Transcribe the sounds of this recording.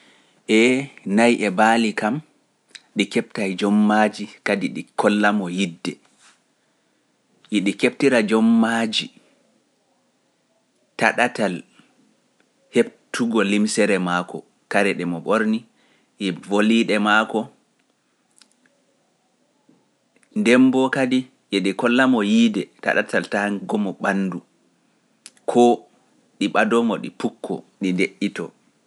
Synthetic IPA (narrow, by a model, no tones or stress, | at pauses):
ʔɛnajʔɛbaːlikam | ɗikɛp̚tajd͡ʒɔmːad͡ʒikadiɗikʰɔlːamɔjidːɛ | ʔiɗikep̚tiɾad͡ʒɔmːad͡ʒi | taɗatal | hebtʰuɡɔlimsɛɾɛmakɔ̰ | kaɾɛɗɛmɔɓoɾni | ʔɛvoliɗɛmaːkɔ | ndɛmbɔkadi | ʔɛɗikɔlːamɔjiːdɛta̰ɗa̰tʰaltahɡɔmɔɓanːdu | kʰɔ | ɗiɓadɔmɔɗḭpukʰːɔ̰ɗindeʔːitɔ